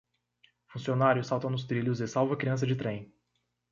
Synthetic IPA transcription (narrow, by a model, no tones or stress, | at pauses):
fũsionaɾjʊsawt̪ɐ̃w̃nʊs̬t̪ɾiljʊzɪsawvɐkɾiɐ̃s̬ɐd͡ʒɪt̪ɾẽj̃